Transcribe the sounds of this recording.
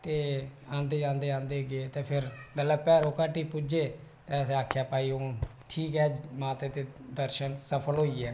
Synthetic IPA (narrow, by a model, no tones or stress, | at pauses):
t̪eːãːnd̪eːd͡ʒãːnd̪eːãːnd̪eːɡeːt̪eːpʰɪɾɡəlːɛːpɛːɾoːkaːʈiːpud͡ʒeː | t̪eəsaːkʰjaːpaːiːõːʈʰiːkɦɛːmaːt̪eːt̪eːd̪əɾʃənsəpʰəlɦoːiːɛː